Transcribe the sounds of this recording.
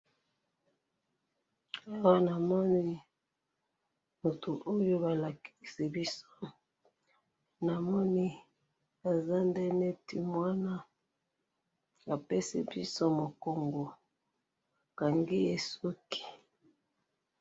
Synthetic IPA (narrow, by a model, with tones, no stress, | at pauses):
a˦wa˦na˨mɔ˦ni˦ | mo˨tʰu˨ʔo˦jo˦ba˨la˨ki̥˨si˨bi˦so˦ | na˨mɔ˦ni˦ | a˨za˦ndɛ˦ne˦ti˨mwa˦na˦ | ba˨pe˦sḭ˨bi˦so˦mo˨ko˨ŋɡo˨ | ka˨ŋɡi˦je˨su˦ki̥˨